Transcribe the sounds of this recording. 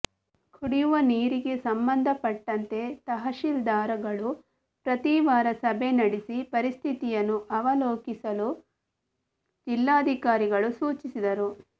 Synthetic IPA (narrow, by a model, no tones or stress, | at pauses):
kʰuɽijuʋɐniːɾiɡe̞sɐmbɐnd̪ʱɐpɐʈːɐnt̪e̞t̪ɐɦɐʃild̪aːɾɐɡɐɭu | pɾɐt̪iʋaːɾɐsɐbʱe̞nɐɽisipɐɾist̪ʰit̪ijɐnːuʔɐʋɐloːkisɐlu | d͡ʒilːaːɐd̪ʱikaːɾiɡɐɭusuːt͡ʃisid̪ɐɾu